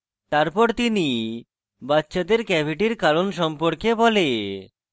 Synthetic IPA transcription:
t̪aɾpɔɾt̪ini | batːʃad̪eɾkɛbʱiʈiɾkaɾonʃɔmpoɾkebɔle

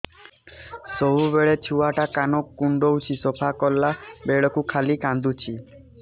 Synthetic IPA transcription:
sɔɦubeɭet͡ʃʰuwaʈakanɔkːuɳɖowt͡ʃʰisɔpʰakɔlːabeɭɔkukʰalikãnd̪ut͡ʃʰi

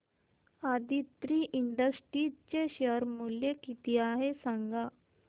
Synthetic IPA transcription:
ad̪it̪ɾiːʔiɳɖəsʈɾit͡ɕeɕeəɾmuljekit̪iaɦesãŋɡa

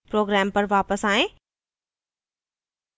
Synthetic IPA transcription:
pɾoːɡɾɛːmpəɾʋaːpəsaːẽː

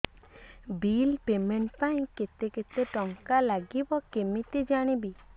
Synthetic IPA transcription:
bilpemeɳʈpãĩket̪eket̪eʈɔŋkalaɡibɔkemit̪ed͡ʒaɽ̃ibi

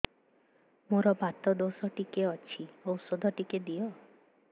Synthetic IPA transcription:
moɾɔbat̪ɔd̪osɔʈikeɔt͡ʃʰiɔwsod̪ʱɔʈiked̪ijɔ

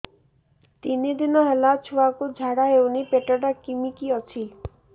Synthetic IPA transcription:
t̪inid̪inɔɦəlat͡ʃʰuakud͡ʒʱaɽaɦewnipeʈɔɽakimikiɔt͡ʃʰi

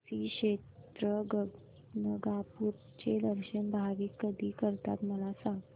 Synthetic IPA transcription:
siɕett̪ɾəɡ | nəɡapuɾ | t͡ɕeləɾɕənbʱaɡiːkəd̪ʱiːkəɾt̪a̰t̪məlasãŋɡ

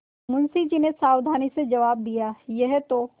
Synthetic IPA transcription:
mʊnsid͡ʒinesaːwd̪ʱaːnised͡ʒɐʋaːb̚d̪ijaːjɛɦt̪o

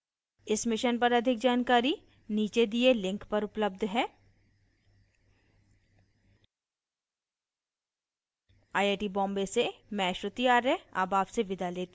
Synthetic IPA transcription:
ɪsmɪʃənpɐɾɐd̪ʱɪk̚d͡ʒaːnkaːɾi | niːt͡ʃed̪ielɪ̃ŋkpɐɾʊpləb̚d̪ʱɦɛː | aːeːʈibɔ̃ːmbesemɛ̃ːʃot̪ijaːɾɛa̰baːpseʋɪd̪aleːt̪ː

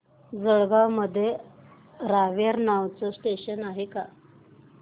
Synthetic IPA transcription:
d͡zəɭɡawməd̪ʱːje | ɾaʋjaɾnawt͡səsʈeɕənaɦeka

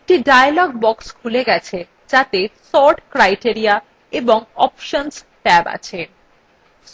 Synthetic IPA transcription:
ek̚ʈiɖajalɔɡ̚bɔkskʰuleɡɛt͡ɕʰe | d͡ʑat̪esɔɾʈkɾajʈiaɾia | eboŋɔ̰pʃons | ʈɛba̰t͡ɕʰe

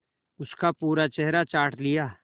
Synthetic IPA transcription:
ʊskapuːɾat͡ʃɛɦɾat͡ʃaːɾʈʰlɪjaː

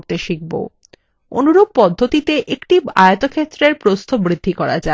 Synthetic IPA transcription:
t̪eʃik̚bo̰ | o̰nuɾob̚pɔd̪ʱːot̪it̪eʔekʈia̰jat̪okʰet̪ːɾeɾpɾost̪ʰobɾid̪ʱːikɔɾad͡ʑa

